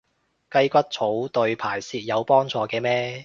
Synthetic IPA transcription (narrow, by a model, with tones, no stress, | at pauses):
kɐ˥jkʷɐ˥t̚t͡sʰo˨˥wt̪ɵ˧ɥpʰaː˨˩jsiː˧t̚jɐ˨˧wpɔː˥ŋt͡sɔː˧kɛː˧mɛː˥